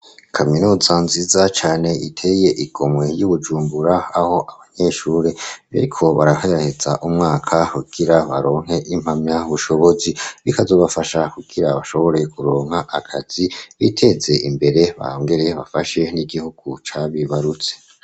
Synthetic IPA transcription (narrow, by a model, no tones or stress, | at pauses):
kʰaminuːzanzizat͡ʃaːne̞itʰe̞je̞ʔiɡ̥o̞mwe̞juβud͡ʒuːmbuɾaaho̞ʔaβaɲe̞ːʃuːɾeja̰ɾikʰo̞βaɾaheɾahez̥aʔumŋaːkʰahuɡ̥iɾaβaɾo̞ːŋɦhe̞ʔimhamɲaβuʃo̞βo̞ziβikazo̞ːβafaʃakuɡ̥iɾaβaʃo̞βo̞ɾe̞kuɾo̞ːŋ̥haʔakʰaz̥iβitʰe̞ze̞ʔimbe̞ɾe̞βa̰oːŋɡe̞ɾe̞βafaʃe̞niɡihuɡ̥ut͡ʃaβiβaɾut͡se